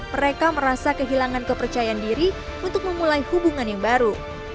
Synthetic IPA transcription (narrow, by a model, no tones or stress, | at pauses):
məɾekaməɾasakəɦilaŋankəpərt͡ʃajaːndiɾi | unt̪ʊk̚məmulaihubuŋanjaŋbaɾu